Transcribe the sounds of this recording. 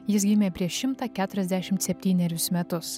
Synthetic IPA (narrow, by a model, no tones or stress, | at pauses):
jɪs̬ɡʲɪmʲeːpʲɾʲiɛʃʲɪmt̪ɑːkʲæːt̪ʊɾʲɛzd̪ʲæʃʲɪmt̪sʲɛpʲt̪ʲiːnʲɛɾʲʊsmʲɛt̪ʊs